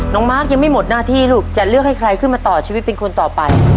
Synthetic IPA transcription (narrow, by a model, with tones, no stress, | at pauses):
nɔː˩˦ŋmaː˦˥˩k̚ja˧ŋma˥˩jmo˨˩t̪̚naː˥˩t̪ʰiː˥˩luː˥˩k̚t͡ɕa˨˩t̪̚lɯ˥˩ək̚ha˥˩jkʰɾa˧jkʰɯ˥˩maː˧t̪ɔː˨˩t͡ɕʰiː˧wi˦t̪̚pe˧nkʰo˧nt̪ɔː˨˩pa˧j